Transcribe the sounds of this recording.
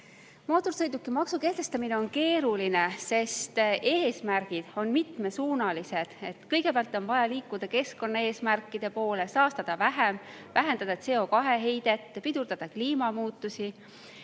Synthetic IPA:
moːt̪ˑorsɤjd̪ukːˑimɑksuke̞ht̪e̞st̪ɑmine̞o̞nke̞ːɾuline̞se̞st̪e̞ːsmæɾɡ̥id̪̥o̞nmit̪me̞suːnɑlise̞d̪̥e̞t̪kɤjɡ̥e̞peæɑlt̪ːˑo̞nvɑjɑliːkːˑud̪̥ɑke̞sko̞nːɑe̞ːsmærkːˑid̪̥e̞po̞ːle̞sɑːst̪ɑd̪̥ɑvæɦem | væɦe̞nd̪̥ɑd̪ɑet̪se̞o̞kɑɦe̞ɦe̞jd̪̥e̞t̪ːˑpid̪̥uɾd̪̥ɑd̪̥ɑkliːmɑmuːt̪ːˑusi

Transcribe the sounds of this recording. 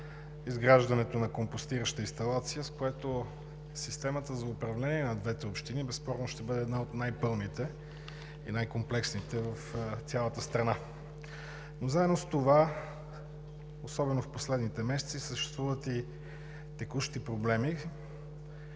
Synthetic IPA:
izɡɾaʒd̪ɐnɛt̪onɐkompost̪iɾəʃt̪əinst̪ɐlˠat̪sijəskojɛt̪o | sist̪ɛmət̪əzɐʊpɾɐvlɛniɛnɐd̪vɛt̪ɛopʃt̪inibɛspɔɾnoʃt̪ɛbɤd̪ɛːd̪naot̪najpɤlˠnit̪ɛ | ḭnajkomplɛksnit̪ɛvəft̪ʲalˠət̪əst̪ɾɐna | nozaɛd̪nost̪ova | osɔbɛnofposlɛd̪nit̪ɛmɛsɛt̪sisəʃt̪ɛ̥st̪vuvət̪i | t̪ɛkuʃt̪ipɾoblɛmi

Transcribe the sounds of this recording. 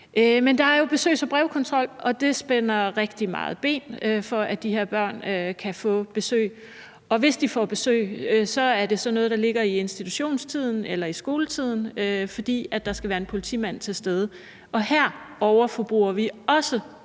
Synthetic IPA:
ʔømend̥ɑ̈æɐjo̝b̥e̝sø̰ːsɒ̽b̥ʁɛʊkʰɒ̽nt͡sʰʁɒ̽l̰ʔɒ̽d̥e̝sb̥enɐʁɛɡ̥̚d̥imɑ̰̈ːð̞̩ˠb̥e̝̰ːnøfɒ̽ʔæd̥ihe̝ɐ̰b̥ɶɐ̰nøkʰæfɔ̰̽ːb̥e̝sø̰ːɪ | ɒ̽ʋe̝sd̥ifɒb̥e̝sø̰ːɪsɒ̽æɐde̝sɒ̽nɔ̽ːð̩ˠd̥ɑ̈le̝ɡ̥ɐie̝nsd̥it͡sʰuɕo̝̰ːnst͡sʰið̞̰ˠn̩elɐisɡ̥o̝ːlət͡sʰið̞̰ˠn̩øfɒ̽d̥ḭːæd̥ɑ̈sɡ̥æʋæːɐe̝npʰo̝lit͡sʰḭmæn̰t͡sʰe̝lsd̥eð̞ˠə | ʔɒ̽hæɐ̰ɒʊɐfɒb̥ʁuɐʋiɒ̽sə

